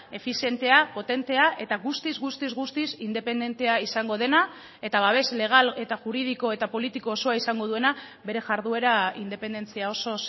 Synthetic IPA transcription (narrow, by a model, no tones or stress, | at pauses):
e̞fisje̞nt̪e̞apo̞t̪e̞nt̪e̞aʔe̞t̪aɣust̪izɣust̪izɣust̪isind̪e̞pe̞nd̪e̞nt̪e̞aisaŋɡo̞ð̞e̞na | e̞t̪aβaβ̞e̞zle̞ɣ̞ale̞t̪aʝuɾið̞iko̞e̞t̪apo̞lit̪iko̞ːso̞aisaŋɡo̞ð̞ue̞na | βe̞ɾe̞ʝaɾðue̞ɾaind̪e̞pe̞nd̪e̞nt͡siao̞so̞s